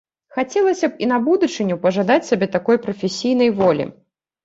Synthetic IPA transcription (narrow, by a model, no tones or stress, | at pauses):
xat͡sʲɛlˠɐsʲɐpinɐbud̪ut͡ʂɨnʲupɐʐad̪at͡sʲsʲabʲɛt̪akɔjpɾɐfʲesʲijn̪ɐjvɔlʲḭ